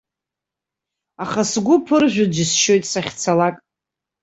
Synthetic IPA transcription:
aχasɡʷʊpʰɨrʒᶣʷad͡ʒisʃo̞jtʼsaχʲt͡sʰalakʼ

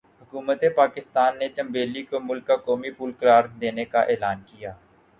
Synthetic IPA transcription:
ɦʊkuːmət̪epaːkɪst̪aːnːet͡ʃə̃mbeːlikomʊlkːakɔːmipuːlkəɾaːɾd̪eːnekaʔeːlaːnkɪjaː

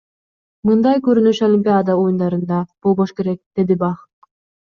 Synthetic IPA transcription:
mɯnd̪ɑjkøɾynyʃolʲimʲpʲiad̪ɑojund̪ɑɾɯnd̪ɑb̥olˠβoʃke̞ɾek̚d̪̥e̞d̪ibɑχ

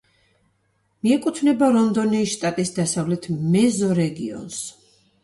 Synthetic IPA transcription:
miɛkʼut̪ʰvnɛbaɾɔnd̪ɔnɛːsʃt̪ʼat̪ʼisd̪asavlɛt̪ʰmɛzɔɾɛɡḭɔ̰ns

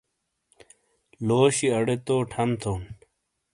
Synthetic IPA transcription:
loːɕiɐɽet̪oːʈʰɐmt̪ʰoːn

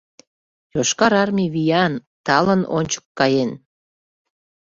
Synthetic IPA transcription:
joʃkɑɾɑrmʲiβijɑn | t̪ɑləno̰nʲt͡ɕə̥kːɑjen

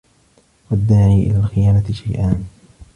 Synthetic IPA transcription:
wad̪ːaːʕiːʔɪ̰laːlxɪjaːnat̪ɪʃajʔaːn

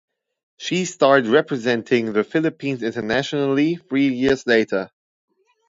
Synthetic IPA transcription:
ʃistɑɹd̚ɹɛpʰɹɨzɛ̃ntʰɪ̃ŋðɨfɪlɨpʰĩnzɪ̃ntə˞næʃənəl̩ˠiθɹiːjɪɹzleɪɾə˞

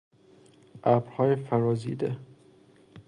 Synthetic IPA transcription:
ʔæbɾhɒːjefæɾɒːzḭːd̪e

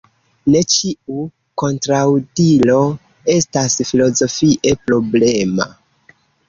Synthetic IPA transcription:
ne̞t͡ʃiu | ko̞ntɾawdilo̞ | e̞stasfilo̞zo̞fiʔe̞pɾo̞ble̞ma̰

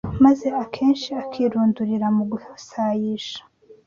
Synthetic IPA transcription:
maze̞akʰeːnʃiakʰiɾuːnduɾiɾamuɡuhasajiʃḁ

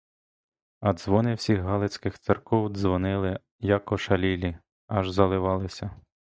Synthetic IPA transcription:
ɐd̪zʋɔnɪwsʲiɣɦɑlˠɪt͡sʲkɪxt̪sɪrkɔwd̪zʋɔnɪlˠɪ | jɐkɔʃɐlʲilʲi | ɐʒzɐlˠɪʋɑlˠɪsʲɐ

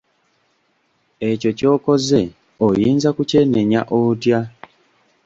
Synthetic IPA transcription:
eco̞co̞ːko̞ze̞ | ojiːnzakuce̞ne̞ɲa̰ʔotja

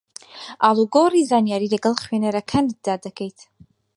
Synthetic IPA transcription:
aluɡorizanijaɾileɡɨlχɥanɨɾakʰandadakʰejtʰ

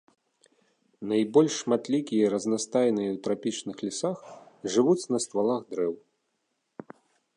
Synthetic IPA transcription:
najbɔlʲʂːmat̪lʲikʲijɐɾɐznast̪ajnɨjɐwt̪ɾapʲit͡ʂnɨxlʲisaxʐɨvut͡sʲnɐst̪valˠaxd̪ɾɛw

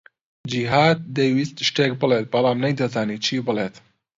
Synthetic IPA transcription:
d͡ʒiɦaːd̪̚d̪ejwist̪ʃʈeːk̚bɨlet̪̚bɐlaːmnɐjd̪ɐzaːniːt͡ʃʰiːbɨleːt̪

